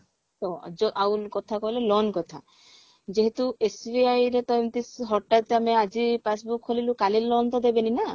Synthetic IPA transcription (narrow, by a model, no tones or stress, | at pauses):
t̪ɔd͡ʒɔʔawkɔt̪ʰakɔɦilelɔnkɔt̪ʰa | d͡ʒeɦet̪uesbiajɾet̪ɔjnt̪isɦɔʈːat̪amead͡ʒipas̬bukʰːolilukalilɔnt̪ɔd̪ebenina